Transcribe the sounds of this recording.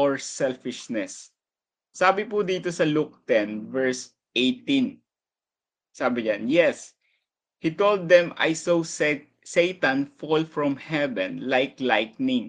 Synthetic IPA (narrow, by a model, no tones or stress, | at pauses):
ʔɔɹsɛlfɪʃnɛsː | aːbɪpud̪iːt̪osɐluk̚t̪ɛ̃nvɛɹs | ʔejt̪ɪ̃n | saːbɪɲãnjɛs | hit̪old̪ːɛ̃ma̰jsowsɛ | sejt̪ɐ̃nfɔlfɹɔ̃mhɛvɛ̰̃nlajklajk̚nɪ̃ŋ